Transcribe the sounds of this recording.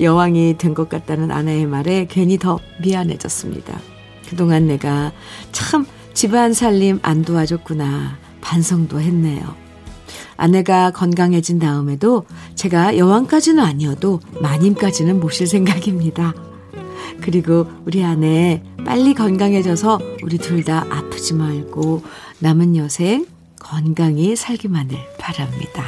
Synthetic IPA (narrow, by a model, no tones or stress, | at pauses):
jʌwaŋitwe̞nɡʌk͈at̚t͈anɯnʔa̰neemaɾekwe̞ɲitʌmianɦe̞̰d͡ʑʌ̰s͈ɯmɲḭd̥a̰ | kɯdoŋanːe̞ɡa | t͡ɕʰaɯm | t͡ɕibɦansʰaʎːimʔa̰ndoad͡ʑʌk͈una | pansʰʌŋdoɦe̞nːejo̰ | a̰ne̞ɡakʌnɡaŋɦe̞d͡ʑindaɯme̞dot͡ɕe̞ɡajʌwaŋk͈ad͡ʑinɯnaɲiʌdomaɲimk͈ad͡ʑinɯnmoɕʰiɭs̬ʰe̞ŋɡaɡimɲida | kɯɾiɡo | uɾiane̞p͈a̰ʎːikʌnɡaŋɦe̞d͡ʑʌsʰʌuɾituɭdaʔapʰɯ̥d͡ʑimaɭɡ̥o | namɯnjʌsʰe̞ŋ | kʌnɡaŋisʰaɭɡimanɯɭpaɾamɲḭda